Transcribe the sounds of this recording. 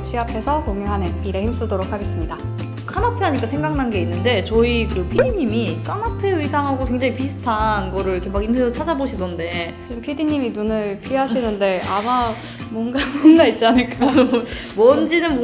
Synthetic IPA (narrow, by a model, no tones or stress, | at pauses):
t͡ɕɥiɦapʰe̞sʰʌkoŋeŋɦanɯniɾeçims͈udoɾok̚ʰaɡe̞s͈ɯmɲida | kʰanapʰeɦaɲik͈asʰe̞ŋɡaŋnanɡe̞inːɯnde̞t͡ɕʌikɯpʰidiɲːimikʰanapʰe̞isʰaŋɦaɡokweŋd͡ʑaŋipisʰɯ̥tʰanɡʌɾɯɭikʰemakinɯot͡ɕʰad͡ʑaboɕʰidonde̞ | ɯmpʰidiɲiminunɯɭpʰiɦaɕʰinɯnde̞ama | mwʌnɡamʌnɡait̚t͡ɕ͈anɯɭk͈a | mʌnd͡ʑinɯnm